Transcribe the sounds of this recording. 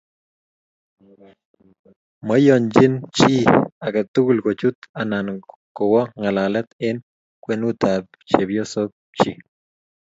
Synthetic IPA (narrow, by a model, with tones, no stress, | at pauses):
mə˦jo˨nd͡ʒi˦nt͡ʃi˦a˨ka˨t̪u˦ku˦lko˨t͡ʃu˦t̪a˨na˨n | ko˨wa˦ŋa˨la˨lɛ˦t̪ɪ˦n | kwe˦nu˦t̪ab | t͡ʃe˨bjo˦so˦k̚ | t͡ʃi˦